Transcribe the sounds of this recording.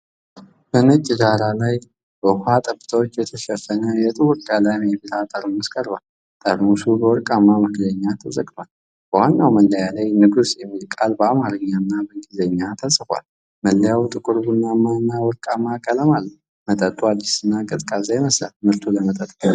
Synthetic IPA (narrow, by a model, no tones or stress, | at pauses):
bənət͡ʃʼːɡaɾalaj | bəhat̪ʼəbːɨt̪ʰəwot͡ʃːjɛt̪ʰəʃɛfənəjɛt̪ʼɨwʊɾɡalajmjɛbit̪ʰat̪ʼəɾunəskʼəɾbal | t̪ʼəɾmusubəwɔɾkʼamːaməɡləɲːat̪ʰəzəɡt̪ʰwal | b̥əwanːawməlːəjalajnɨɡusjɛmːilkʼalbəamaɾɨɲːanːabəŋɡizeɲːat̪ʰəsɨkʷa̰l | məlːəjawt̪ʼɨkʼɨɾbɨnːanːaɨnːawɔɾkʼamːakʼələmalː | mət̪ʼət̪ʼwalːɪsɨnːakʼɨt̪ʼkʼazajməsla̰lmɨɾt̪ʰuləmət̪ʼət̪ʼa